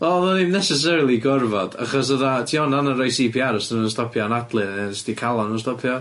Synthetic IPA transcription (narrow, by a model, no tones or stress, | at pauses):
ɔðənimnɛsɛs̬ɛɾilˠiɡɔrvɔd̥a̰χɔsəðatʰiɔnanəɾajsiːpʰiaɾɔsənənstɔpʰjɔnadlˠɨɛnsɪ̥tʰikʰalˠɔnənstɔpʰjɔ